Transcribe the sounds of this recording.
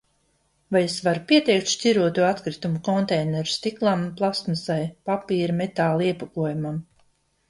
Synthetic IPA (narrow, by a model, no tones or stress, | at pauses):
vajsvaɾupʲiɛt̪ɛjk̚t̪ʃtʲiɾuɔt̪uat̪kɾit̪umukɔnt̪ɛjnɛɾu̥st̪iklˠamplˠast̪mɨsajpapiːɾamet̪aːlˠiɛpakuɔjumam